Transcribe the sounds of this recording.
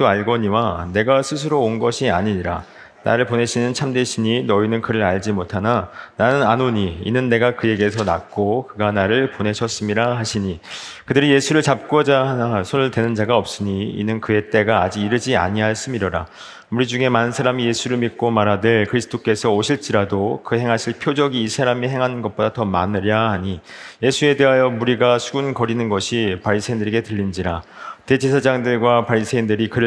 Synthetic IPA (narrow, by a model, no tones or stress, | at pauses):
oaɭɡʌɲiwane̞ɡasʰɯs̬ʰɯɾoːnɡʌɕʰia̰ɲiɲiɾa̰ | na̰ɾɯɭpone̞ɕʰinɯnt͡ɕʰamde̞ɕʰiɲinʌinɯnkɯɾɯɾaɭd͡ʑimotʰanananɯnanoɲiḭnɯnːe̞ɡakɯje̞ɡe̞sʰʌna̰k͈okɯɡanaɾɯɭpone̞ɕʰʌs͈ɯmiɾahaɕʰiɲi | kɯdɯɾije̞sʰuɾɯɭt͡ɕap̚k͈ʌd͡ʑaɦanasʰonɯɭtwe̞nɯnd͡ʑaɡaʌp̚s͈ɯɲiḭnɯnkɯe̞t͈e̞ɡaːd͡ʑiɡiɾɯd͡ʑia̰ɲiaɦaɭs͈ɯmiɾʌɾa̰ | muɾid͡ʑuŋe̞manɯnsʰaɾamije̞sʰuɾɯɭmit̚k͈omaɾɦadɯɭkɯɾisʰɯ̥tʰok͈e̞sʰʌoɕʰiɭt͡ɕ͈iɾadokɯhe̞ŋɦaɕʰiɭpʰjod͡ʑʌɡiːsʰaɾamihe̞ŋɦanɯnɡʌt̚p͈odatʌma̰nɯɾjahaɲije̞sʰue̞de̞ɦajʌmuɾiɡasʰuɡunkʌɾinɯnɡʌɕʰipaɭsʰeindɯɾeɡe̞tɯʎːind͡ʑiɾate̞d͡ʑesʰad͡ʑaŋdɯɭɡwapaɭs͈ʰeindɯɾikɯɾɯ